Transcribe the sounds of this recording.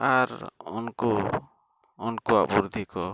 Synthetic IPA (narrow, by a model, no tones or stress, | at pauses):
aɾṵnkuː | nkua̰ʔbuɾd̪ʱikɔ